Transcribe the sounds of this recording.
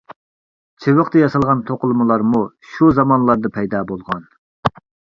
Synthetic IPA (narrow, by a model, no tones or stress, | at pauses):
t͡ʃʰewəqt̪ɨjɑsɑlˠʁɑnt̪ʰoqʊlˠmɨlˠɑɾmu | ʃuzɑmɑnlˠɑɾd̪ɨpʰɛjd̪ɑːbolˠʁɑn